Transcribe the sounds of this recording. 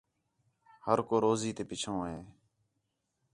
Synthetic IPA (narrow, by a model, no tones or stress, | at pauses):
həɾkoːɾoːziːt̪eːpɪt͡ʃʰõːɦeː